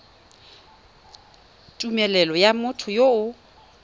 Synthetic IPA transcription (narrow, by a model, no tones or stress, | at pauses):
tʼumɛlɛlɔjamʊtʰʊjoʊ